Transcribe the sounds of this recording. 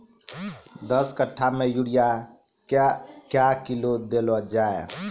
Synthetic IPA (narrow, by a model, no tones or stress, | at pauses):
d̪əskəʈʰːamẽjuɽija | kjakilod̪elɔd͡ʒaːḛ